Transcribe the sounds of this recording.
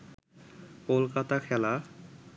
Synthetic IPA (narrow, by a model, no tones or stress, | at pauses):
kolkat̪akʰɛla